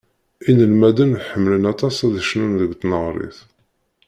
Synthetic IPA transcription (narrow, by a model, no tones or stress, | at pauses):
inəlmæd̪ənħəmːlənɑt̪ˤɑsæðəʃnunðəɡt̪nəʁɾˤḛθ